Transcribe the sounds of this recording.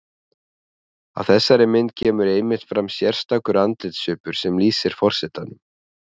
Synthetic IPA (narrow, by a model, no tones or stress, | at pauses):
a̰ðθɛsːaɾɪmɪnt̪̚cʰɛːmʏɾejmɪht̪fɾamsjɛr̥st̪akʏɾant̪ɪt̪sʏːpʏɾ̥sɛmliːsɪɾ̥fɔr̥sɛt̪anʏm